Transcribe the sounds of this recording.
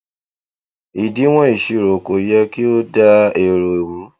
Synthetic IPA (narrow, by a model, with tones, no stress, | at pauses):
i˨di˨˦w̃ɔ̃˦i˦˨ʃi˨ɾo˨ko˨jɛ˦ki˦o˦da˦e˨ɾo˧e˨wu˨˦